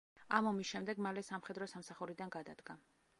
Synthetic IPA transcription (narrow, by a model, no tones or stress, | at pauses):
amɔmisʃɛmd̪ɛɡmalɛsamχɛd̪ɾɔsamsaχuɾid̪anɡad̪ad̪ɡa